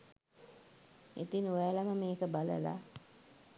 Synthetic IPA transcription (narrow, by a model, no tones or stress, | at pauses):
et̪inuʋælaməmeːkəbalə̰la̰